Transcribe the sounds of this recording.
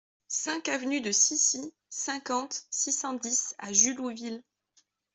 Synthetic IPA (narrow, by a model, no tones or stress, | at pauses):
sɛ̃kavnyd̪əsisi | sɛ̃kɑ̃t̪sisɑ̃d̪isa̰ʒyluvil